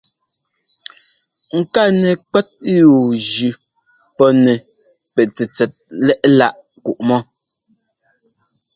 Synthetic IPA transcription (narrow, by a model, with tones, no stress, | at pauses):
ŋ̩˨ka˦˨nɛ˨k͡pɛ˦t̚ju˨d͡ʒʉ˨ | pɔ˦nɛ˨pɛ˨t͡sɛ˨t͡sɛ˨t̚lɛ˦ʔla˦˨ʔ | ku˨ʔmɔ˦